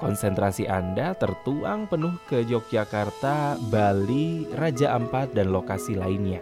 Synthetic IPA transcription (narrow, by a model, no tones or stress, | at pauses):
kɔnsɛnt̪ɾasiʔandat̪ərt̪uaŋpənʊhkəd͡ʒɔk̚d͡ʒakart̪abalirad͡ʒaʔəmpat̪̚danlokasilainɲa